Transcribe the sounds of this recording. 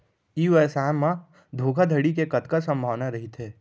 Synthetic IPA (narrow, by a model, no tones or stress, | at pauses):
iːʋɛːsaːmːã | d̪ʱoːkʰad̪ʱəɽik̬ekɐt̪kasɐ̃mbʱaːʋnaɾɐɦit̪ʰeː